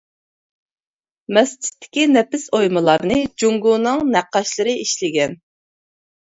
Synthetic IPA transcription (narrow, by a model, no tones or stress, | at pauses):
mɛst͡ʃɪ̥t̪ʰːɪ̥kʲinɛpɪsojmɨlˠɑɾnɨd͡ʒuŋɡunɨŋnæqːɑʃlˠɨɾɨiʃlɪɡʲɛn